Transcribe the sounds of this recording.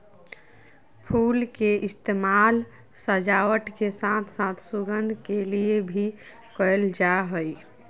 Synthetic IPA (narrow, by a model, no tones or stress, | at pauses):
pʰulkeʔist̪emal | səd͡ʒawəʈkesãt̪ʰsãt̪ʰsuɡənd̪ʱkeliebʱi | kɔjld͡ʒaɦəj